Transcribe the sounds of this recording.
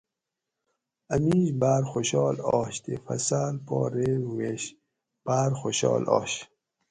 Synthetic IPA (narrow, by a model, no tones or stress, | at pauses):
amiʑbaːɾxoɕɔːlɔːɕt̪efɐ̰salpɔ̰ːɾeɾuweɕ | b̥aːɾxoɕɔ̰ːlʔɔ̰ːɕ